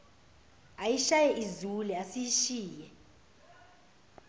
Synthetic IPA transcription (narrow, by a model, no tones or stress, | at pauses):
ajiʃajɛʔizuliasijiʃiːjɛ